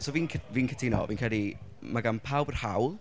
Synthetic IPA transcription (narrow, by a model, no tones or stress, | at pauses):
sɔːviːnkʰəviːnkʰətʰinɔ̰viːnkʰrɛlˠimaɡanpʰawbər̥hawlˠ